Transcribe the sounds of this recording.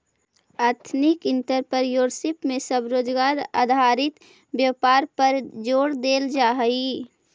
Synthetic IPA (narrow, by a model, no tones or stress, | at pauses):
aːɾt̪ʰnɪkɪ̃nt̪əɾpəɾjoːɾsɪpmẽsəbɾoːd͡ʒɡaːɾa̰ːd̪ʱaɾɪt̪ | bjəpaːɾpəɾd͡ʒoːɽd̪eːld͡ʒaːɦəi